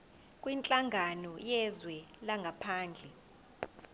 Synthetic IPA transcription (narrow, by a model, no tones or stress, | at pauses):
kʼwint͡ɬʼaŋʱanɔjɛzwɛlaŋɡʱapʰaːnd͡ɮʱɛ